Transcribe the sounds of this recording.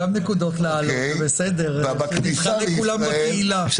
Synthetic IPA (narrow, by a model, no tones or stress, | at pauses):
amnekudotleal | besedeʁkʃniiχalekulambakeila